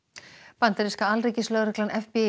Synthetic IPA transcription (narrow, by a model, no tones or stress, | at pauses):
pant̪aɾiskaalreːcɪslœɣɾɛklanʔɛfpe